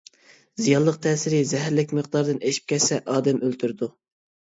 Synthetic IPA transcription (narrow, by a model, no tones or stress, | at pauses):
zijɑlˠːəq̚t̪ʰɛːsɪɾɪzɛɦæɾlɪkʲməqd̪ɑɾd̪ɨneʃi̥p̚kʲɛsɛʔɑːd̪ɛmølt̪ʰyɾd̪u